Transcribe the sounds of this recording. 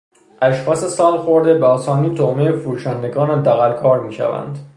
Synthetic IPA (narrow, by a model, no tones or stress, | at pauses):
ʔæʃxɒːse̞sɒːlxoɾd̪ebeɒːsɒːniːt̪ʰohmejefuɾuːʃænd̪e̞ɡɒːnæd̪æɣælkʰɒːɾmiːʃæ̰væ̰nd̪